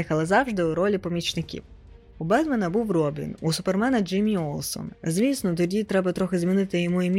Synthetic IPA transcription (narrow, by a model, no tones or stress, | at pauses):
xɐlˠɐzɑwʒd̪ɪuɾɔlʲipɔmʲit͡ʃnɪkʲḭw | ubɛd̪mɐnɐbuwrɔbʲḭnusʊpermɛnɐd͡ʒɪmʲiɔlˠsɔ̰nzʲʋʲisnɔt̪ɔdʲit̪ɾɛbɐt̪ɾɔxɪzmʲinɪt̪ɪjɔmuimʲ